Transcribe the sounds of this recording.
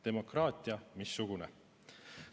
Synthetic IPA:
d̪̥e̞mo̞krɑːt̪ʲˑiɑmisːuɡ̥une

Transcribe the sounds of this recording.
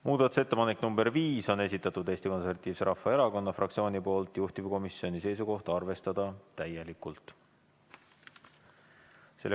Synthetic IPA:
muːd̪̥ɑt̪ːˑu̥se̞t̪ːe̞pɑnekːnumbe̞rviːso̞ne̞s̬ʲit̪ːˑɑt̪ːˑud̪e̞ːst̪iko̞nseɾvɑt̪ːˑiːvse̞ɾɑfːɑe̞ɾɑko̞nːɑfrʔɑk̚t̪sio̞ːnipo̞ːlt̪ˑjuht̪ivko̞misio̞nise̞jsuko̞ht̪ɑrve̞st̪ɑd̪̥ɑt̪æje̞likːˑult̪ˑ | se̞lː

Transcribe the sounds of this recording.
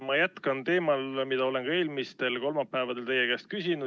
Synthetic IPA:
mɑjæt̪kɑnt̪e̞ːmɑlmid̪̥ɑo̞le̞nkɑe̞ːlmist̪e̞lko̞lmɑpːæevɑd̪e̞lt̪e̞jekæːst̪̚kysʲinu

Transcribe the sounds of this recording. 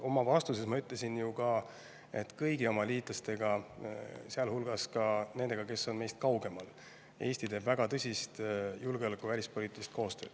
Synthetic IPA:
o̞mɑvɑst̪use̞smɑyt̪ːˑle̞sinjukɑ | e̞t̪ːkɤjɡio̞mɑliːt̪lɑst̪e̞ɡ̥ɑ | seɑlhulɡ̥ɑskɑne̞nd̪eɡ̥ɑke̞sːo̞nme̞jst̪kɑwɡe̞mɑl | e̞ːsʲt̪it̪e̞ːb̥væɡ̥ɑt̪ɤsʲist̪julɡe̞o̞lekːˑuvælʲispoliːt̪ilist̪̚ko̞ːst̪ø̞ːd̪̥

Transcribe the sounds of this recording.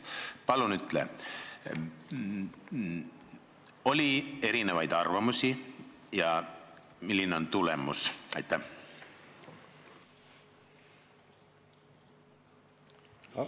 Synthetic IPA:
pɑlunyt̪le | o̞lʲie̞ɾinevɑjd̪̥ɑrvɑmusijɑ | milʲːineo̞nt̪ulḛmusɑ̰jt̪ːæh

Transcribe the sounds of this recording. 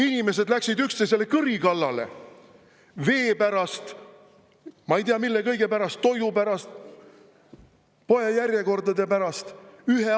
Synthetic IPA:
inime̞s̬e̞d̪læksid̪ykst̪es̬elːekɯɾikɑlːɑle̞̰ | ve̞ːpæɾɑst̪ | mɑejt̪iɑmilːekɤ̞jɡ̥e̞pæɾɑst̪ːo̞jdupæɾɑst̪ | po̞jɑjærʲje̞ko̞rd̪ɑd̪epæɾɑst̪yɦe

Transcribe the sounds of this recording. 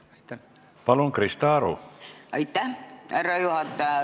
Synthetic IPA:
pɑlonkrist̪ɑːɾo̰ɑjt̪ːæærːɑjuhɑt̪ːɑ

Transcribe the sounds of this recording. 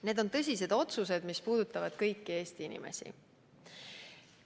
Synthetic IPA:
ne̞ːd̪̥o̞nt̪ɤs̬ʲise̞d̪̥o̞t̪sus̬e̞d̪̥mispuːd̪̥ut̪ːˑɑvɑd̪̥kɤjkːie̞ːst̪iinʲḭmḛsḭ

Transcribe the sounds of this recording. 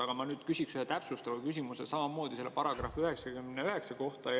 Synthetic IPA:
ɑɡ̥ɑmɑnyːd̪̥kysʲiksyhet̪æpsust̪ɑvɑkys̬ʲimusesɑmɑmo̞ːd̪̥ise̞lːepɑɾɑɡ̥rɑ̰fyhe̞ksɑkymneyɦe̞ksɑko̞ht̪ɑ

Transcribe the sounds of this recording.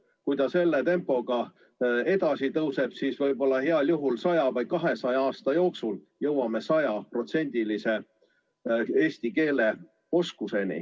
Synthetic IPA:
kujt̪ɑse̞lːet̪e̞mpːˑo̞ɡ̥ɑ | e̞d̪ɑsit̪ɤwse̞b̥siːsvɤjbo̞lːɑɦeɑljuɦulsɑjɑvɑj̪̚kɑɦe̞sɑjɑɑːst̪ɑjo̞ːksul | jɤwɑme̞sɑjɑpro̞t̪se̞nʲd̪̥ilise̞ | e̞ːsʲt̪ike̞ːle̞ | o̞skuse̞nḭ

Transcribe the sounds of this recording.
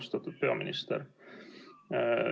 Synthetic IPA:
st̪ɑt̪ːud̪̥̚peɑ̰minist̪ɛɾ

